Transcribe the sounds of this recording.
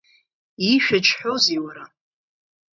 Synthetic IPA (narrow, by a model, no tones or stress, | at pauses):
iʃᶣat͡ʃʰʼħʷoziwaɾa